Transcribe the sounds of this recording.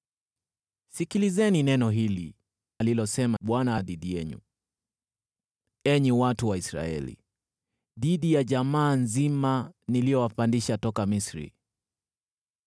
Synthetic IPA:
sikilizɛninɛnɔɦili | alilɔsɛmaɓwanaɗiɗijɛɲṵ | ɛɲiwatuwaisɾa̰ɛ̰lḭ | ɗiɗijaʄamaːnzimanilijɔwapandiʃatɔkamisɾḭ

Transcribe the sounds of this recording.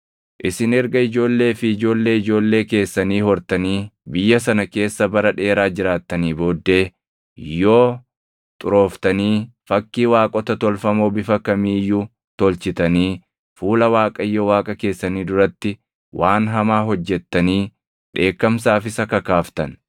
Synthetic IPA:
ʔɪsɪnɛɾɡɐɪd͡ʒo̞ːlːe̞ːfɪːd͡ʒo̞ːlːe̞ːɪd͡ʒo̞ːlːe̞ːke̞ːsːɐniːhɔɾt̪ɐniːbɪjːɐs̬ɐnɐke̞ːsːɐbɐɾɐᶑe̞ːɾaːd͡ʒɪɾaːt̪ːɐniːbo̞ːd̪ːe̞ː | jo̞ː | t̪ʼʊɾo̞ːft̪ɐniːfɐkːiːwaːkʼɔt̪ɐt̪ɔlfɐmo̞ːbɪfɐkɐmiːjːuː | t̪ɔlt͡ʃɪt̪ɐniː | fuːlɐwaːkʼɐɪjːowaːkʼɐke̞ːsːɐniːd̪ʊɾɐt̪ːɪ | wʔaːnɦɐmaːɦɔd͡ʒːɛt̪ːɐniː | ᶑe̞ːkːɐmsaːfɪsɐkɐkaːft̪ɐ̰n

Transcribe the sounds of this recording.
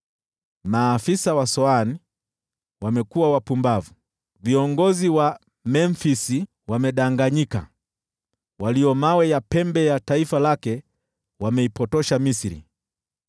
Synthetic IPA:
maːfisawasɔani | wamɛkuwawapumbavu | viɔŋɡɔziwa | mɛnfisi | wamɛɗaŋɡaɲika̰ | waliɔmawɛjapɛmbɛjataifalakɛ | wamɛipɔtɔʃamisiɾḭ

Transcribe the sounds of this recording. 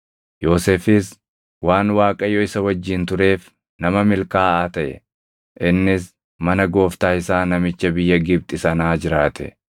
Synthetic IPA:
jo̞ːseːfɪs | waːnwaːkʼɐjɔɪsɐwɐd͡ʒːɪnt̪ʊɾe̞ːf | nɐmɐmɪlkaːaːt̪ɐʔɛ̰ | ʔɪnːɪs | mɐnɐɡo̞ːft̪aːɪsaːnɐmɪt͡ʃːɐbɪjːɐɡɪb̚t̪ʼɪsɐnaːd͡ʒɪɾaːt̪ʰɛ̰

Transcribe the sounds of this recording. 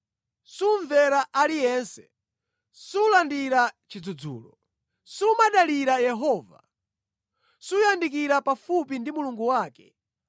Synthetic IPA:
suɱvɛɾaʔalijɛnsɛ̥ | sulandiɾat͡ʃid͡zud͡zṵːlɔ | sumaɗaliɾajɛɦɔːva̰ | sujandik̬iɾapafupindimuluŋɡuwaːkɛ

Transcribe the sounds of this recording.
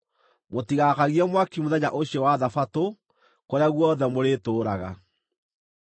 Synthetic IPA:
motiɣakaɣiɛmwakimoðɛɲa̰ʔoɕjɛwaðafato | koɾeaɣwɔðɛmoɾetoːɾaɣa̰

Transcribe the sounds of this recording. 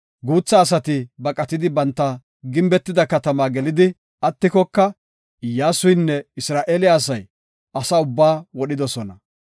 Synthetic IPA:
ɡuːt͡sːɐːs̬ɐt̪ɪbɐkʼɐt̪ɪd̪ɪbɐnt̪ːɐ | ɡɪmbɛt̪ːɪd̪ɐkɐt̪ɐmaːɡɛlɪd̪ɪ | ɐt̪ːɪkɔkːɐ | jaːsʊjnːɛɪsɾaːʔeːlɪjaːsɐj | ʔɐsɐʊbːaːwɔɗɪd̪ɔsɔnɐ

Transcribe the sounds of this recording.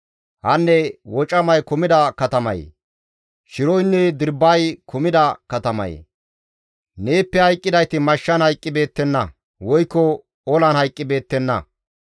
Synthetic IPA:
hɐnːɛwɔt͡ʃʼɐmɐjkʊmɪd̪ɐkɐt̪ɐmɐ̰j̰ | ʃɪɾɔjnːɛd̪ɪɾbɐjkʰʊmɪd̪ɐkɐt̪ɐmɐ̰j̰ | ne̞ːpːɛhɐjkʼːɪd̪ɐjt̪ɪmɐʃːɐnhɐjkʼːɪbe̞ːt̪ːɛnːɐ | wɔjkːɔ | ɔlɐnhɐjkʼːɪbe̞ːt̪ːɛnːɐ̰

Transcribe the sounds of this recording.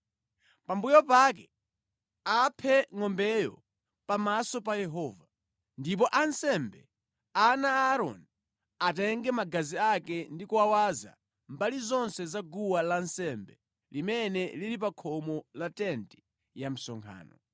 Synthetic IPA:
pambujɔpak̬ɛ | apʰɛŋɔmbɛjɔ̰ | pamasɔpajɛɦɔːva | ndip̬ɔʔansɛmbɛ | anaaɾɔ̰n | atɛŋɡɛmaɡaziakɛndikuawaza̰ | mbalizɔnsɛzaɡuwalansɛmbɛ | limɛnɛliɾipakʰɔmɔlatɛnti̥ | jam̩sɔŋkʰa̰ːnɔ

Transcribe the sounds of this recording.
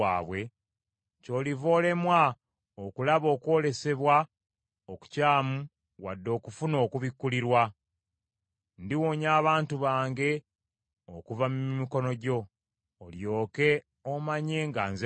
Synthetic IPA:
aːβwe̞ | co̞ːlivo̞ːle̞mwa | okulaβo̞ːkwo̞ːle̞se̞βwa | oku̥caːmu | wadːo̞ːkufuno̞ːkuβikːuliɾwa | ndiwoɲaːβaːntuβaːŋɡe̞ | okuvammiko̞no̞ɟo̞ː | ljo̞ːke̞ | omaɲe̞ŋɡaːnze

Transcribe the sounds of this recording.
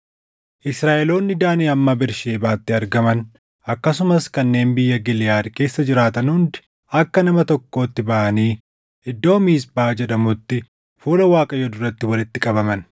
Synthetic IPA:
ʔɪsɾaːʔɛlo̞ːnːɪd̪aːneːɐmːɐbɪɾʃe̞ːbaːt̪ːɪɐɾɡɐmɐn | ɐkːɐsʊmɐskɐnːe̞ːnbɪjːɐɡɪlɪjaːd̪ke̞ːsːɐd͡ʒɪɾaːt̪ɐnhʊnd̪ɪ̥ | ɐkːɐnɐmɐt̪ɔkːo̞ːt̪ːɪbɐʔɐniː | ɪd̪ːo̞ːmiːs̬baːd͡ʒɛɗɐmʊt̪ːɪ | fuːlɐwaːkʼɐjɔd̪ʊrːɐt̪ːɪwɐlɪt̪ːɪkʼɐbɐmɐn

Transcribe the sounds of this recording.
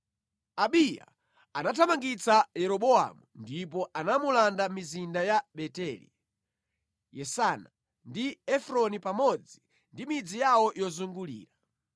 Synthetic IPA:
aɓija̰ | anatʰamaŋɡit͡sajɛɾɔɓɔa̰mundipɔʔanamulandamizindajaɓɛtɛlḭ | jɛsana | ndiɛfɾɔnipamɔd͡zi | ndimid͡zijawɔjɔzuŋɡulḭːɾa

